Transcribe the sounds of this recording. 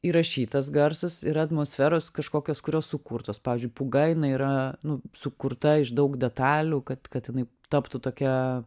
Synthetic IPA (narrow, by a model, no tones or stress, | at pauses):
iːɾɐʃʲiːt̪ɐs̬ɡɐɾsɐsɪɾɐɐt̪moːsʲfʲæːɾoːskɐʃkoːkʲoːskʊɾʲoːssʊkuːɾt̪oːspɑːʋʲɪːzʲd͡ʒʊɪpʊɡɐɪɪnɐiːɾɐnʊsʊkʊɾt̪ɐɪʃd̪ɐʊkdʲɛt̪ɑːlʲuːkɐt̪kɐt̪jɪnɐɪ | t̪ɑpt̪ut̪oːkʲɛ